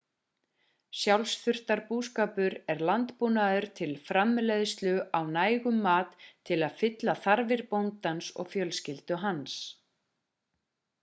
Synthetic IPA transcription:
sjawlsθʏr̥t̪aɾpuskaːpʏɾɛɾlant̪punaðʏɾ̥t̪ʰɪlfɾamːleðʏst̪lʏawnaːjɣʏmːaːt̪ʰːɪlaðfɪt̪laθaɾvɪɾpownt̪ansɔ̰ɣfjœlscɪlt̪ʏɦans

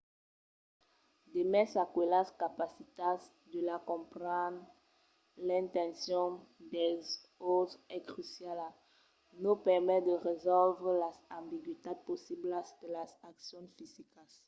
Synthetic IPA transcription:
d̪emɛsakwelaskapasit̪as | d̪əlakɔ̃pʁɑ̃d̪ʁ | lɛ̃nt̪ɛ̃nsjɔ̃d̪ɛz | ozɛkχysjala | nupɛʁmɛd̪əʁezɔlvʁlazãmbiɡwit̪ad̪̚posiblaskəlasaksjɔ̃nfizikas

